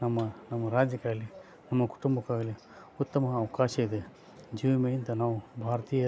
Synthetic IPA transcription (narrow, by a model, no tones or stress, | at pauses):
nɐmːɐnɐmːɐɾaːd͡ʒjɐkaːɭi | nɐmːɐku̥ʈumbɐkaːɡɐli | ut̪ːɐmɐːʋɐkaːʃɐid̪e | d͡ʒiːʋɐmejind̪ɐnaːʋubʱaːɾɐt̪iːjɐ